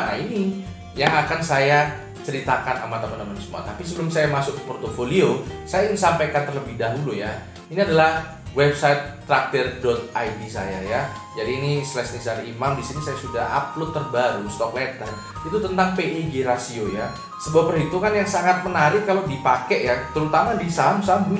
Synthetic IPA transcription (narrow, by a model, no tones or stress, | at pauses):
ʔa̰ini | jaŋakansaja | t͡ʃəɾit̪akana̰mat̪amənamansəmṵa̰t̪apis̬əbəlʊmsajamasʊk̚kəpɔrt̪ofoliosajasampajkant̪ərləbɪhdaɦuluja | iniadalah | wɛb̚saɪt̪̚ːɾak̚t̪ərdɔt̪̚ajdisa̰jaja | d͡ʒadiːnislɛsnisalimamdisinisajasudaha̰p̚lot̪ːərbaɾust̪ɔklɛt̪ən | it̪ut̪ənt̪aŋpeiɡeɾasioja | səbuapərɦit̪uŋanjaŋsaŋat̪̚mənaɾɪkːalodipakɛʔjat̪əɾut̪amadisamsambu